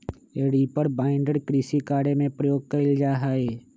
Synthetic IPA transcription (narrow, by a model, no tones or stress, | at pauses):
eːɽipəɾbaːɪ̃ɳɖəɽkɾiːsikaːɽemẽpɾəjoːɡ̚kəld͡ʒaːɦaːeː